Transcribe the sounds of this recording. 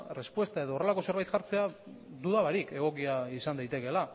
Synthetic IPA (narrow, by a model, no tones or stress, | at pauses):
re̞spwe̞st̪ae̞ðoːre̞lako̞se̞ɾβajt̪ʝaɾt͡se̞a | d̪uðaβaɾike̞ɣ̞o̞kiaisand̪ajt̪e̞ke̞la